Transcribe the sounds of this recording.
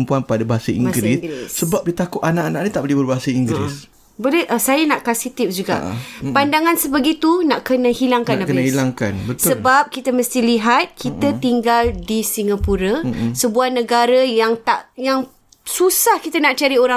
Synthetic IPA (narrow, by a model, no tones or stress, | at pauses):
mpuanpadabaɦasaḭɡɾisɡsəbap̚dit̪akʊt̪anaʔanaʔnit̪aʔbolɛhbərbaɦasaiŋɡɾḭs | bolɛhʔəsajanaʔkasit̪ifd͡ʒuɡa̰ʔpandaŋansəbəɡit̪unaʔkənãhilaŋkanakəahilaŋkanbət̪səbap̚kit̪aməst̪iliɦat̪̚kʰit̪at̪iŋɡaldisiŋapuɾasəbuahnə̃ɡaɾəjaŋt̪aʔjaŋ | susahkit̪anaʔt͡ʃaɾioɾa